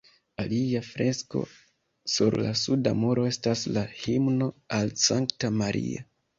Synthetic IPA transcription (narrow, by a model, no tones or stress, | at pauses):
aliafɾe̞sko̞̰ | suɾla̰suda̰moɾo̞e̞staslahimno̞alsaŋktamaɾʔḭa̰